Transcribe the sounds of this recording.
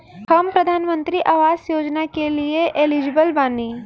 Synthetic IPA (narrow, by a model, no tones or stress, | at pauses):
hɐmpɾɐd̪ʱaːnmə̃nt̪ɾiʔaːʋaːzjoːd͡ʒnakelieʔelɪd͡ʒbəlbaːniː